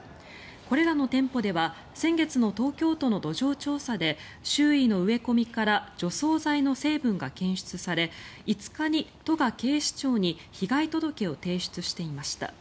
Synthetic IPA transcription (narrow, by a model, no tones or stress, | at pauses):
ko̞ɾe̞ɾano̞t̪ẽ̞mpo̞d̪e̞βa | sẽ̞ŋɡe̞t͡sɨno̞t̪o̞ːkʲo̞ːt̪o̞no̞d̪o̞ʑo̞ːt͡ɕo̞ːsad̪e̞ | ɕɨːino̞ɯ̟e̞ko̞mʲikaɾaʑo̞so̞ːzaino̞se̞ːbɯ̟̃ŋɡakẽ̞ɰ̃ɕɨ̥t͡sɨsaɾe̞it͡sɨ̥kaɲ̟it̪o̞ɡake̞ːɕi̥t͡ɕo̞ːɲ̟i | çiɡait̪o̞d̪o̞ke̞o̞t̪e̞ːɕi̥t͡sɨɕi̥t̪e̞imaɕi̥t̪a̰